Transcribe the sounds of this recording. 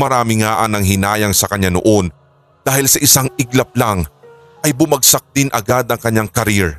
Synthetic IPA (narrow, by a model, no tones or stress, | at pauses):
mɐɾaːmɪŋaʔɐnɐŋɦɪnaːjɐŋsɐkɐɲːano̰ʔo̞n | d̪aːhɪlsɐʔɪsaŋɪɡlɐp̚laŋ | ʔɐjbʊmɐɡsɐk̚d̪̥ɪnʔɐɡad̪ɐŋkɐɲːaŋkɐɾiɹ